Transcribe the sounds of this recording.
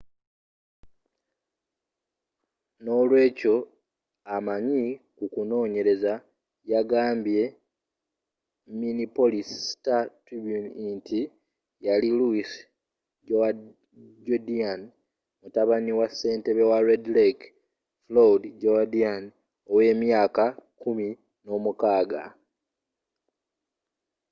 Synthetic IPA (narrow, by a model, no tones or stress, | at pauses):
no̞lwe̞ːco̞ | amaɲikukuno̞ːɲe̞ɾe̞za | jaɡaːmbje̞ | minipo̞listatɾibjunintʰi | jaliluis | ɟoa | ɟodian | mutaβaniwasːe̞ːnte̞βewaɾedlek | flodɟodian | o̞we̞ːmjaːkakumi | no̞ːmukaːɡa